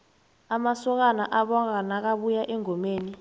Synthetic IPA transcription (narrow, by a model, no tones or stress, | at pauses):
amasɔk̬anaʔaɓɔkanak̬aɓujaʔɛŋʱɔmeːni